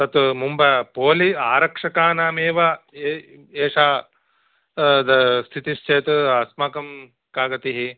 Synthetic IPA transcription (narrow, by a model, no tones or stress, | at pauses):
t̪ɐt̪mumbɐpoːliaːɾɐkʂɐkaːnaːmeːʋɐeeːʂaː | d̪ɐst̪ʰit̪iʃt͡ʃeːt̪uɐsmaːkɐm | kaːɡɐt̪iɦi